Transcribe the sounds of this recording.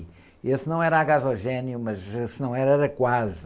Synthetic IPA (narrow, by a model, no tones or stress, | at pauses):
esnɐ̃w̃ɛɾɐaɣazɔʒɛnjumɐzesnɐ̃w̃ɛɾɛɾɐkwaz